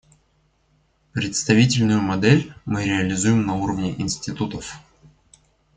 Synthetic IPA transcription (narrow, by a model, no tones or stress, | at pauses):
pɾʲɪt̪st̪ɐvʲitʲɪlʲnʊjʊmɐd̪ɛlʲmɨɾʲɪəlʲɪzujɪmnɐuɾəvnʲɪʔɪnsʲtʲɪt̪ut̪əf